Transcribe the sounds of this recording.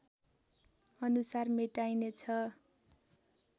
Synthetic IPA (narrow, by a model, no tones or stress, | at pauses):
ʌnusarmeʈajnet͡sʰʌ